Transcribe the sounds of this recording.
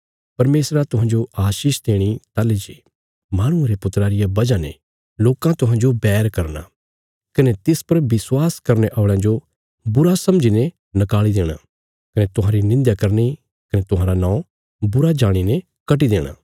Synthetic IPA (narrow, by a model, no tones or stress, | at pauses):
pɐɾmeːsɾat̪ʊɦãːd͡ʒoaːʃiːʃd̪eːɽ̃it̪aːled͡ʒe | maːɽ̃ʊ̃eɾepʊt̪ɾaːɾɪjabɐd͡ʒanḛ | loːkãt̪ʊɦãːnd͡ʒobɛːɾkɐɾna̰ | kɐnet̪ɪspɐɾʋɪswaːskɐɾneʔɔːɽ̃ãd͡ʒo | bʊɾasɐ̃md͡ʒine | nɐkaːlid̪eːɽ̃a̰ | kɐnet̪ʊɦãːɾinɪ̃nd̪jakɐɾni | kɐnet̪ʊɦãːɾanãː | bʊɾad͡ʒaːɽ̃ine | kɐʈ̬id̪eːɽ̃a̰ː